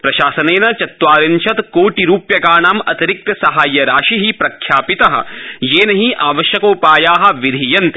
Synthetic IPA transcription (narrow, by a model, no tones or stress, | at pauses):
pɾɐʃaːsɐneːnɐt͡ʃɐt̪ʋaːɾint͡ʃʰɐt̪koːʈiɾuːpjɐkaːɳaːmɐt̪iɾik̚t̪ɐsɐɦaːjːɐɾaːʃiɦipɾɐkʰjaːpit̪ɐɦɐ̰̆jeːnɐɦiʔaːʋɐʃjɐkoːpaːjaːɦɐ̆ʋid̪ʱijɐnt̪e̥